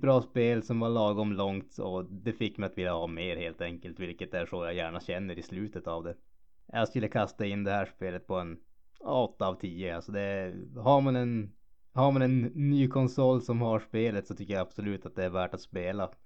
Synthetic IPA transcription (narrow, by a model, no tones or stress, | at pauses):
bɾɑːspeːlsɔmvaɭɑːɡɔmlɔŋt̪ɔ̰d̪ɛfɪkːmɛɪjat̪vɪlːahɑːmeːɾheːlt̪ɛŋkəlt̪vɪlkət̪æʂɔːjajæːɳaɕɛnːəɾɪslʉːt̪ət̪avd̪ɛ | jaskʏlːəkʰast̪aɪnːd̪ɛhæːʂpeːlət̪̚pʰɔɛn | ɔt̪ːaːvt̪ʰiːəalsɔd̪ɛɦaɾmanɛn | haɾmanɛnːyːkʰɔnsɔlːsɔmhaʂpeːlət̪sɔt̪ʰʏkːəjaab̥sɔlʉ̟ːt̪at̪̚d̪ɛæɾvæːʈat̪speːla